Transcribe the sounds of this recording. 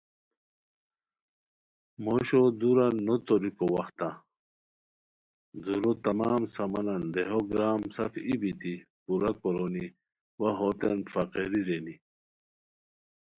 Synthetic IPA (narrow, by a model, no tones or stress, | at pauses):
moɕod̪uɾanːot̪oɾikowɐxt̪ã | d̪uɾot̪ɐmaːmsɐmɐnɐnd̪eɦoɡɾaːmsɐfibit̪i | puɾɐkoɾoni | wɐɦot̪enfɐqeɾiɾeni